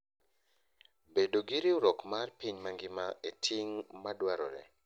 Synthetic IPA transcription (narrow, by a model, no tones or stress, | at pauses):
bedoɡiɾiuɾɔkmarpiɲmaŋɡɪmaetʰiŋmadwaɾɔ̰ɾɛ̰